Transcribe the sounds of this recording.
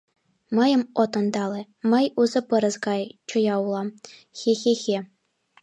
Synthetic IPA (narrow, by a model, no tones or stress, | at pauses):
mɤ̆jɤ̆mot̪ɤ̆nd̪ɑlĕ | mɤ̆juzɤ̆pɤ̆ɾɤ̆zɡɑjt͡ɕŏjɑulˠɑmxʲexʲexʲe